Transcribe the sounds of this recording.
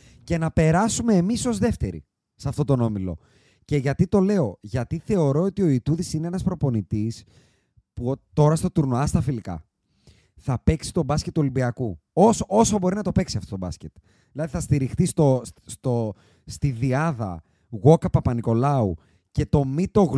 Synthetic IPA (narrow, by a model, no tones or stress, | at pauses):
ce̞nɐpe̞ɾɐsumeːmiso̞zðe̞ft̪e̞ɾḭ | sɐft̪o̞t̪o̞no̞milo̞̰ | ce̞ʝɐt̪it̪o̞le̞o̞ʝɐt̪iθe̞o̞ɾo̞ot̪io̞it̪uðisineenɐspɾo̞po̞nit̪is | put̪o̞ɾɐst̪o̞t̪uɾnoɐst̪ɐfilikɐ̰ | θɐpe̞ksi̥t̪o̞bɐskcet̪ːuolimbiɐkuosoo̞sobo̞ɾinɐt̪o̞pe̞ksiɐft̪ot̪obɐ̰scet̪ | ðilɐðiθɐst̪iɾixt̪ist̪ost̪o | st̪iðiɐðɐ̰ | ɣo̞kɐpɐpɐniko̞lɐṵ | ce̞t̪o̞mit̪o̞ɣ